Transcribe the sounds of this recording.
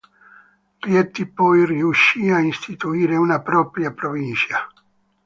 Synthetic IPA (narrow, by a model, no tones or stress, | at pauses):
rjɛt̪ːipɔjriuʃːiainst̪it̪uiːɾeunapɾɔːpɾjapɾovint͡ʃa